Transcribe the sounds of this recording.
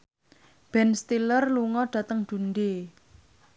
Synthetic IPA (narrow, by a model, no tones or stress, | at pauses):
b̥ɛnst̪ilərluŋɔɖ̥ä̤t̪əŋd̪̥ṳnd̪e